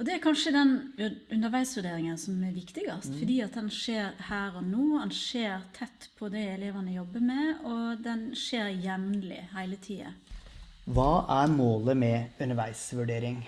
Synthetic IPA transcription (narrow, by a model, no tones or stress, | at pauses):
ɔd̪ɛæɾkʰɑnʂəd̪ɛnʉnəɾʋæɪsʋʉɖeːɾɪŋənsɔmæɾʋɪkt̪ɪɡɑst̪fɔd̪iːɑt̪̚d̪ɛnʂeːɾhæːɾɔnoːd̪ɛnʂeːɾt̪ʰɛt̪ːpʰɔd̪ɛɪɛleːʋɑnəjɔbːəɾmɛɔd̪ɛnʂeːɾjɛʋnlɪ̰hæɪlət̪ʰiːɑ̰ | ʋɑːʔæɾmoːləmɛʉnəʋæɪsʋʉɖeːɾɪŋ